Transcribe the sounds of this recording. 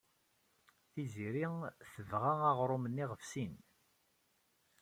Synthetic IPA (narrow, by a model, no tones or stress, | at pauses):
θiziɾiθəvʁaaʁɾˤʊmənːiʁəfsin